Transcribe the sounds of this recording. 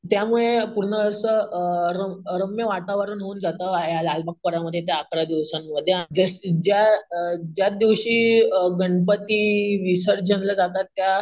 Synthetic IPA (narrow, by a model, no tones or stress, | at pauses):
t̪jamuɭepuɾɳəːsəɾəɾəmjəʋat̪aʋəɾuːnɦouːnd͡zat̪əjalalbak̚pəɾaməd̪ʱjet̪jaːkɾad̪iʋɕamːəd̪ʱːjed͡ʑəsd͡ʑjad͡ʑjad̪iʋɕiːɡəɳɖpət̪iːʋisəɾd͡ʑʱənləd͡zat̪at̪ːja